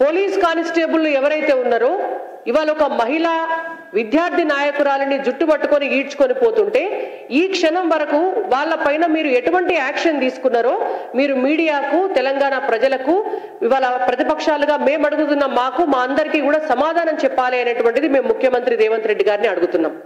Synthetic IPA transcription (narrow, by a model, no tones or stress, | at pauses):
po̞ːliːskaːnisʈeːbulːuɛʋɐɾɐjt̪e̞ːunːaːɾoː | iʋaːlɐɔkɐmɐɦilaː | ʋid̪jaːɾd̪ʱinaːjɐkuɾaːlɐnid͡ʒuʈːubɐʈːukoniiːɾt͡ʃu̥ko̞nipo̞ːt̪uɳʈe̞ː | iːkʂɐnɐmʋɐɾɐkuʋaːɭːɐpɐjnɐmiːɾueʈuʋɐɳʈiæːkʂɐnd̪iːsu̥kunːaːɾo̞ːmiːɾumiːɽijaːkut̪ɛlɐŋɡaːɳapɾɐd͡ʒɐlɐku | iʋaːlɐpɾɐt̪ipɐkʂaːluɡaːme̞ːmɐɽuɡut̪̬unːɐmaːkumaːɐnd̪ɐɾikiːkuːɽaːsɐmaːd̪ʱaːnɐmt͡ʃɛpːaːliɐnɐʈuʋɐɳʈid̪ime̞ːmːukʰjɐmɐnt̪ɾid̪ɛːʋɐnt̪ɾe̞ɖːiɡaːɾniɐɽuɡut̪unːaːm